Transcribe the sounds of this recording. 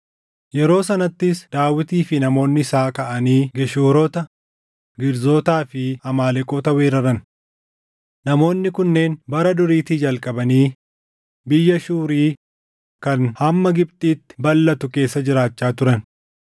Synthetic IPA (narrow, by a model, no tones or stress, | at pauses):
jɛɾo̞ːsɐnɐt̪ːɪsd̪̥aːwɪt̪iːfɪnɐmo̞ːnːɪsaːkɐʔɐniːɡɛʃoːɾɔːt̪ɐ | ɡɪɾzo̞ːt̪aːfɪhɐmaːlɛkʼoːt̪ɐweːɾɐɾɐn | nɐmo̞ːnːɪkʊnːe̞ːnbɐɾɐd̪ʊɾiːt̪iːd͡ʒɐlkʼɐbɐniː | bɪjːɐʃuːɾiː | kɐnhɐmːɐɡɪb̚t̪ʼiːt̪ːɪ̥bɐlːɐt̪ʊke̞ːsːɐd͡ʒɪɾaːt͡ʃːaːt̪ʊɾɐn